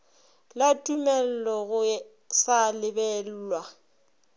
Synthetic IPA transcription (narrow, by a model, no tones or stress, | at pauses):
latʼumɛl̩lɔɣʊ | salɪbɛl̩ːlwa